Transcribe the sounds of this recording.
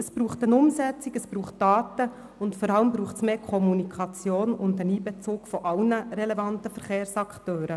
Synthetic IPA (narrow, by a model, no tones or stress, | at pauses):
əsb̥ɾuːχtənʊmsɛt͡sikəsbɾuːχtːɑːt̪ə | ʊntfɔɾɑləmbɾuːχtsmeːkʰɔmunikʰɑt͡sjoːnʊndəniːbɛt͡suːkfɔʔɑlnəɾɛlɛvɑntəfəɾχeːɾsɑkχtøːɾə